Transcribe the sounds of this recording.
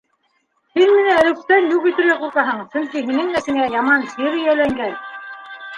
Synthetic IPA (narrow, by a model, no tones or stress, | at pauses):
hɘnmɘ̆nææ̆lɘ̆k̚t̪ænjukɵ̆t̪ɘ̆ɾɡæquɾq̪ɑɦɤɴsɵ̆ŋkiɦinɘŋmæsɘ̆ŋæjɑmɑnsiɾɘjælæŋɡæn